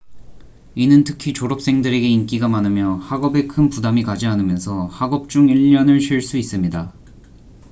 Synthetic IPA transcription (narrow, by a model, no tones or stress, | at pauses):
inɯntʰɯkʰit͡ɕoɾʌp̚s͈e̞ŋdɯɾe̞ɡe̞ink̬͈iɡamanɯmjʌhaɡʌbe̞kʰɯnpudamikad͡ʑiɦanɯmjʌnsʰʌhaɡʌp̚t͡ɕ͈uŋiʎːʌnɯɭɕʰɥiɭs͈uis͈ɯmɲida